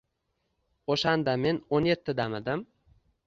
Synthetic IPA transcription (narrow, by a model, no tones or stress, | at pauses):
oʃand̪ame̞nonje̞t̪ʰːɪd̪amɪd̪ɪm